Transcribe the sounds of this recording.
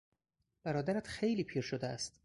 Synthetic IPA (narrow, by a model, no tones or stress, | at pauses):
b̥æɾɒːd̪æɾæt̪xejliːpʰiːɾʃod̪eæ̰st̪